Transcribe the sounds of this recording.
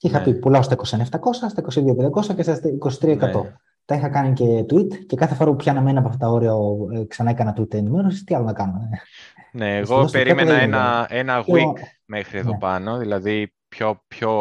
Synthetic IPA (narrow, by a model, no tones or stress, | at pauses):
ixɐpipulɐost̪ɐiko̞seneft̪ɐko̞sɐst̪ɐiko̞siðiopend̪ɐko̞sɐcesɐiko̞si̥t̪ɾiɐekɐt̪o̞ | t̪ɐixɐkɐnice̞t̪uit̪ce̞kɐθefoɾɐpupçɐnɐme̞niɐpoɐft̪ɐt̪ɐo̞ɾiɐoeksɐnɐekɐnɐt̪uit̪enimeɾosist̪iɐlo̞nɐkɐno | neːɣosp̪eɾiɐeoðenɐenɐɣik | mexɾieðoepɐno̞ðilɐði | pçopço